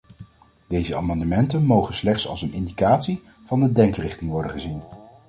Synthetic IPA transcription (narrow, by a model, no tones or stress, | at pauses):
d̥ejzəa̰ːmɑndəmɛntənmowχənslɛχtsɑ̰lˠsənɪndikaːtsi | v̥ɑndədɛŋkrɪχtɪŋʋɔɹdə̰χəzin